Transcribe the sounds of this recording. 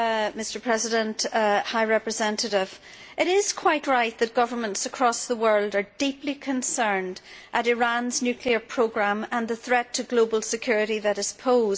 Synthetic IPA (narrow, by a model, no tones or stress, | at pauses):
mɪstə˞pʰɹ̥ɛzɪɾə̃nthaɪɹɛpɹɨzɛ̃ntəɾɪv̥ | ʔɪɾɪz̥kʰw̥aɪʔɹaɪt̪̚ðɨt̚ɡ̥ʌvə˞mə̃ntsəkʰɹ̥ɔsðəwɜ˞lˠdə˞diplikʰə̃nsɜ̃˞ndʔəɾɪɹãnznjʉkʰliə˞pʰɹ̥oɡɹãmə̃nðəθɹɛtʰəɡlobəlˠsɨkʰj̥ʊɹɪɾiðəɾɨz̥pʰoːz